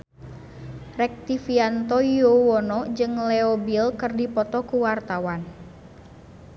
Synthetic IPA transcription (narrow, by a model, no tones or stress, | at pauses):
rɛk̚t̪ifiant̪ɔiowɔnɔd͡ʒɨŋlɛɔbilkɨrdipɔt̪ɔkuwart̪awan